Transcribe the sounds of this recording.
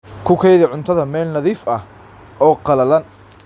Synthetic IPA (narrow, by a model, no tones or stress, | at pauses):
kʰʊkʰɛjðɐʕʊnt̪ʰɐðɐmɛːlnɐðiːfɐh | ɔːqɑlɐlɐn